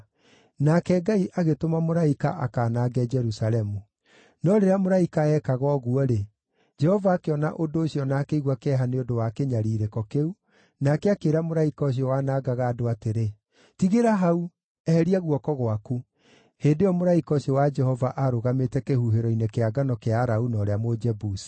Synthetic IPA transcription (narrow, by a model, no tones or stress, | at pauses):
nakɛɡaiʔaɣetomamoɾaikaʔakaːnaːɡɛd͡ʒɛɾusaɾɛmu | nɔɾeɾeamoɾaikaɛkaɣɔɣuɔɾe | d͡ʒɛhɔvaːkeɔna̰ʔodoːɕiɔnaːkeiɣwakɛɦaneodowakeɲaɾiːɾekɔkeu | nakɛakeːɾamoɾaikɔɕ̬iɔwanaːɡaɣaːdoateɾe | tiɣeɾaɦau | ɛhɛɾiaɣwɔkɔɣwaku | heːndejɔmoɾaikɔɕiɔwad͡ʒɛhɔvaʔaɾoɣametɛkehuɦeɾɔinekeaɡanɔkeaɾaunɔɾeamod͡ʒɛbusi̥